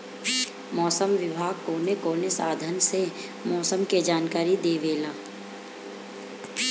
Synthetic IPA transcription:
mɔːsəmʋɪbʱaːɡ̚koːnekoːnesaːd̪ʱənse | mɔːsəmked͡ʒaːnkaːɾid̪eːʋeːlaː

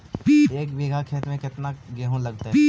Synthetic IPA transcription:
pːeːkbeːɡʱakʰeːt̪mẽkɪt̪naɡɛɦõlɐɡt̪aɦ

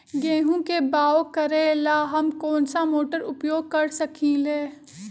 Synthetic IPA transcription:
ɡẽːɦũkebaːokɐɾelaːɦɐmkɔːnsamoːʈəɾʊpjoːɡ̚kɐɾsɐkʰĩleː

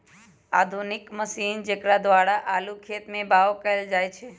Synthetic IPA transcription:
a̰d̪ʱunɪkməsind͡ʒekɾad̪ʋaɽaʔalukʰet̪mẽbaʋokəeld͡ʒajt͡ʃʰe

